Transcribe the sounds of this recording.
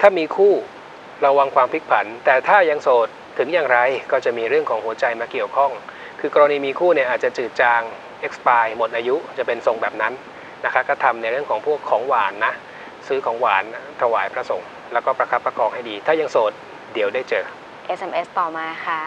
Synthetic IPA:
t̪ʰaː˥˩miː˧kʰuː˥˩ | ɾa˧wa˧ŋkʰwaː˧mpʰi˦˥k̪̚pʰa˩˦nt̪ɛː˨˩t̪ʰaː˥˩ja˧ŋsoː˨˩t̪ʰːɯ˩˦ŋjaː˨˩ŋɾa˧jkɔː˥˩t͡ɕa˨˩ʔmiː˧ɾɯ˥˩əŋkʰɔː˩˦ŋhu˩˦ət͡ɕa˧jmaː˧ki˨˩əwkʰɔ˥˩ŋ | kʰɯː˧kɔː˧ɾa˧niː˧miː˧kʰuː˥˩ni˥˩ʔaː˨˩t̪t͡ɕa˨˩t͡ɕɯː˨˩t̪̚t͡ɕaː˧ŋ | ʔe˦˥k̚spaː˧jmo˨˩t̪̚ʔaː˧ju˦˥t͡ɕa˨˩pe˧nso˨˩ŋbɛː˨˩p̚na˦˥nː | a˦˥kʰa˦˥kɔː˥˩t̪ʰa˧mna˧jɾɯ˥˩əŋkʰɔː˩˦ŋpʰu˥˩əkʰːɔː˩˦ŋwaː˩˦nːa˦˥ʔ | sɯː˦˥kʰɔː˩˦ŋwaː˩˦nt̪ʰa˧waː˩˦jpʰɾa˦˥so˨˩˦ŋ | lɛː˦˥wkɔː˥˩pɾa˧kʰa˦˥pːɾa˧kʰɔː˧ŋha˥˩jdiː˧t̪ʰaː˥˩ja˧ŋsoː˨˩t̪̚ | di˨˩˦wdaː˥˩jt͡ɕɤː˧ | ʔe˦˥se˧mʔe˦˥st̪ɔː˨˩maː˧kʰa˥˩

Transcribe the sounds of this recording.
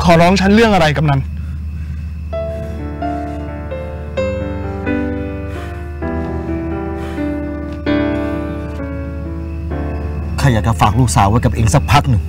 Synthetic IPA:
kʰɔː˨˩˦ɾɔː˦˥ŋt͡ɕʰa˦˥nɾɯ˥˩əŋʔa˧ɾa˧jka˨˩mna˧˥˩n | kʰa˧jaː˨˩k̚t͡ɕa˧˩faː˨˩k̚ɾuː˥˩k̚saː˩˦wa˦˥jka˨˩p̚ʔeː˧ŋsa˦˧˩k̚pʰa˦˥k̚nɯ˨˩ŋ

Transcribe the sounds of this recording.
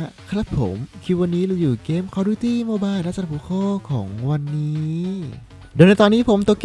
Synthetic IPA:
kʰɾa˦˥pʰːo̰˩˦mkʰi˧wa˧nːiː˦˥lɯː˧juː˨˩keː˦˥mkʰa˧˥˩duː˧˩˦t̪iː˥˩mo˧˩baː˧jnaː˥˩t͡ɕa˧˩pʰuː˨˧˦kʰɔː˥˩kʰɔ̰ː˩˦ŋwa˧nːiː˦ | doː˨˧˨jna˧jt̪ɔː˧nːiː˦˥pʰo˨˦mt̪o˧˩k

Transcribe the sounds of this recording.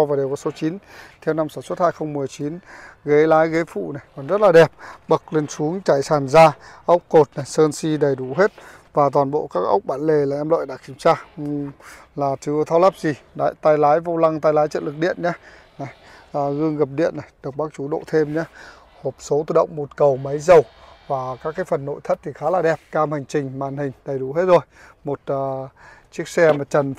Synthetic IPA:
vaː˨˩ɗe˨˩wkɔ˧˩so˨˦t͡ɕi˨˦nt̪ʰɛ˧wna˧msaː˧˩nswə˦˥t̚haː˧jxə˧wŋ͡mmɨ˨˩əjt͡ɕi˨˦nɣe˨˦laː˨˦jɣe˨˦fṵ˧˨na˨˩jkɔ˨˩nzə˦˥t̚laː˨˩ɗɛ˨˩p̚ɓə˨˩k̚le˧nsu˨˦əŋt͡ɕa˧˩jsaː˨˩nzaː˧ʔə˦˥wk͡p̚ko˨˩t̚na˨˩jsəː˧nsi˧ɗə˨˩jɗu˧˩ɦe˦˥t̚ | vaː˨˩t̪waː˨˩nɓo̰˧˨kaː˦˥k̚ʔə̰˦˥wk͡p̚ɓaː˧˩nle˨˩laː˨˩ʔɛ˧mlo̰˧˨jɗa̰ː˧˥ki˧˩əmt͡ɕaː˧˩ | laː˨˩t͡ɕɨ˧t̪ʰa˧wlaː˦˥p̚zi˨˩ɗa̰˧˨jt̪aː˧jlaː˨˦jva˧wla˧ŋt̪aː˧jlaː˨˦jt͡ɕə̰˧˨nlɨ˨˩k̚ɗḭ˧˨ənɲa˧˦ | na˨˩j | ʔːɣɨ˧əŋɣə˨˩p̚ɗḭ˧˨ənːa˨˩jɗɨ˨˩k͡p̚ɓaː˦˥k̚t͡ɕu˨˦ɗo̰˧˨t̪ʰe˧mɲaː˧ | ho˨˩p̚so˨˦t̪u˧˩ɗə̰˧˨wŋ͡mmo˨˩t̚kə˨˩wmə˨˦jzə˨˩wvaː˨˩kaː˦˥kːaː˨˦jfə˨˩nːo̰˧˨jt̪ʰə˦˥t̚t̪ʰi˨˩xaː˨˦laː˨˩ɗɛ˨˩p̚kaː˧mha˨˩ŋ̟t͡ɕï˨˩ŋ̟maː˨˩nhï˨˩ŋ̟ɗə˨˩jɗu˧˩ɦe˦˥t̚zo˨˩jmo˨˩t̚ːt͡ɕi˦˥ək̚sɛ˧maː˨˩t͡ɕə˨˩n

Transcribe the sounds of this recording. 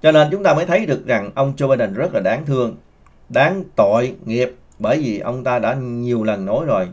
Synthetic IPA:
t͡ɕɔ˧ne˧nt͡ɕʊ˨˦ŋ͡mt̪aː˧məː˨˦jt̪ʰə˨˦jɗɨ˨˩ək̚za˨˩ŋʔə˧wŋ͡mt͡ɕo˧ɓaː˧jɗə˧˩nzə˦˥t̚laː˨˩ɗaː˨˦ŋt̪ʰɨ˧əŋ | ɗaː˨˦ŋt̪o̰˧˨jŋi˨˩əp̚ | ɓəː˧˩jvi˨˩ʔə˧wŋ͡mt̪aː˧ɗa̰ː˧˥ɲi˨˩əwlə˨˩nːo˨˦jzo˨˩j

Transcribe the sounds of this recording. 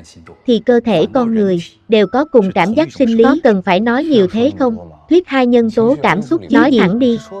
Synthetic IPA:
t̪ʰi˨˩kəː˧t̪ʰe˧˩kɔ˧nŋɨ˨˩əj | ɗe˨˩wkɔ˨˦kʊ˨˩ŋ͡mkaː˧˩mzaː˦˥k̚sï˧ŋ̟li˨ɔ˨˦kə˨˩nfaː˧˩jnɔ˨˦jɲi˨˩əwt̪ʰe˨˦xə˧wŋ͡mt̪ʰwi˦˥ət̚haː˧jɲə˧nso˨˦kaː˧˩msʊ˦˥k͡p̚nɔ˦˨˦jt̪ʰa˧˩ŋɗi˧

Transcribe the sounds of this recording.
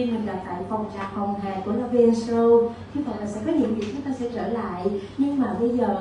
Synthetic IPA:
i˧mï˨˩ŋ̟ɗa˨˩p̚t̪a̰ː˧˨jfa˨˩wŋ͡mt͡ɕaː˨˩hə˨˩wŋ͡mɦɛː˨˩ku˧˩əla˧vi˧nsɹə˧wʰ | ɨ˧˦və̰˧˨jlaː˨˩sɛ̰˧˥kɔ˨˦ɲḭ˧˨əwvi˨˩k̚t͡ɕʊ˨˦ŋ͡mt̪aː˧sɛ̰˧˥t͡ɕəː˧˩la̰ː˧˨jɲɨ˧ŋmaː˨˩ɓə˧jzəː˨˩

